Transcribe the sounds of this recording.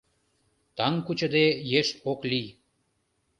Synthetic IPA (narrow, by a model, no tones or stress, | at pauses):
t̪ɑŋkut͡ɕə̆d̪ejeʃoklij